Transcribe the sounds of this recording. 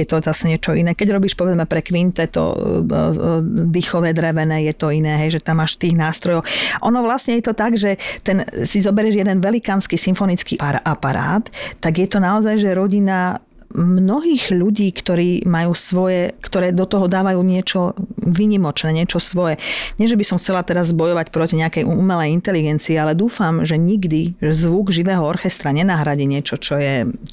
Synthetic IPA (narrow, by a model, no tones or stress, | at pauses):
jɛt̪ɔzasɛɲɪɛt͡ʃɔinɛːkɛɟɾɔbiːʃpɔʋɛd͡zmɛpɾɛkʋint̪ɛt̪ɔ̰ | d̪ixɔʋɛːd̪ɾɛʋɛnɛːjɛt̪ɔinɛːɦɛjʒɛt̪amːaʃt̪iːɣnaːst̪ɾɔjɔwʔɔnɔʋlasɲɛjɛt̪ɔt̪aɡʒɛt̪ɛnsizɔbɛɾɛʒjɛd̪ɛnʋɛlikaːnskisimfɔnit͡skḭaɾʔapaɾa̰ːt̪ːaɡjɛt̪ɔnaɔzajʒɛɾɔɟina | mnɔɦiːɣʎuɟiːkt̪ɔɾiːmajuːsʋɔjɛkt̪ɔɾɛːd̪ɔt̪ɔɦɔd̪aːʋajuːɲɪɛt͡ʃɔʋiɲimɔt͡ʃnɛːɲɪɛt͡ʃɔsʋɔjɛɲɪɛʒɛbisɔmxt͡sɛlat̪ɛɾazbɔjɔʋacpɾɔciɲɛakɛjʔuumɛlɛjint̪ɛliɡɛnt͡siɛalɛd̪uːfamʒɛɲiɡd̪iʒɛzʋuɡʒiʋɛːɦɔɔɾxɛst̪ɾaɲɛnaɦɾaɟiɲɪɛt͡ʃɔt͡ʃɔjɛ